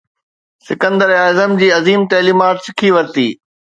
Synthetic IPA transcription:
sɪkə̃nd̪əɾaːzəmd͡ʑiːɐziːmt̪ɐːliːmaːʈsɪkʰiʋɐɾt̪ḭː

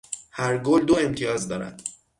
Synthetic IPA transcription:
hæɾɡold̪oe̞mt̪ʰijɒːzd̪ɒːɾæ̰d̪̥

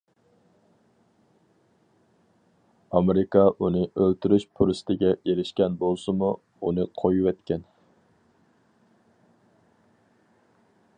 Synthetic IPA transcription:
ɑmeɾɪkɑʔunɨʔølt̪yɾyʃpʰuɾɪst̪ʰɪɡʲɛeɾɪʃkʲɛnbolˠsɨmu | unɨqʰojuwɛt̪kʲʰɛn

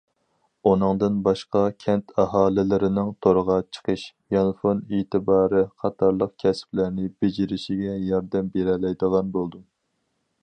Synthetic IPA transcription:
unɨŋd̪ɨnbɑʃqɑkʲʰɛnt̪ʰɑɦɑːlɪlɪɾɪnɪŋt̪ʰoɾəʁɑt͡ʃʰə̥qʰəʃ | jɑnfonet̪ɨbɑːɾɨqʰɑt̪ʰɑɾlˠəq̚kʲʰɛsɪ̥plæɾnɪbed͡ʒiɾɪʃiɡʲɛjɑɾd̪ɛmbeɾɛlɛjd̪əʁɑnbolˠd̪u

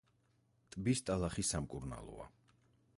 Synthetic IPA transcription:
t̪ʼbist̪ʼalˠaχisamkʼuɾna̰lˠɔ̰a̰

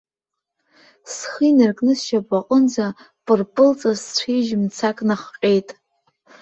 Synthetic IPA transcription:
sχinarkʼnɨsʃabʷʼaqʼənd͡za | pʼɨrpʼɨlt͡sʼazt͡ɕʷʰiʒmt͡sʰakʼnaχqʲʼejtʼ

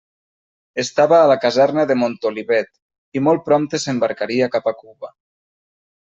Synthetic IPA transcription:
est̪aβəːlakazɛrnəðemont̪oliβɛt̪ | imɔlˠpɾɔmt̪esembaɾkaɾiakapakuβə

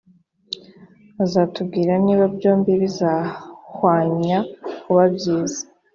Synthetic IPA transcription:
azaːtubɡiːɾaniːβabjo̞ːmbiβizahwaːɲakuβabjiːzḁ

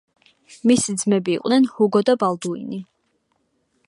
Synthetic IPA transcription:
misid̪zmɛbiːqʼnɛnhuɡɔd̪abalˠd̪uḭni

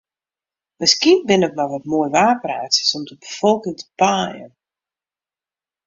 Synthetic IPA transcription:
məskiənbɪnəkmaʋɔtmoːjʋaːpraːsə̥sɔmdəbəfɔlˠkɪŋtʰə̥paːjə̰n

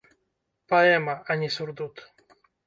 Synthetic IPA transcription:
paɛmaʔaɲʲisuɾd̪ut̪

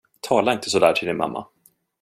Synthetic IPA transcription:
t̪ʰɑːlaɪnt̪ʰəsɔd̪æ̰ːʈʰɪld̪ɪnma̰mːa̰

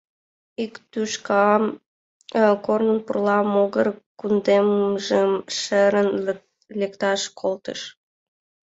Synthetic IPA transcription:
ikt̪yʃkɑ | kornənpurlɑmoɣərkund̪emʒəmʃəɾən | lekt̪ɑʃkʰolt̪ə̰ʃ

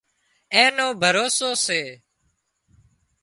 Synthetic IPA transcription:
ẽːnõːbʱəɾoːsoːseː

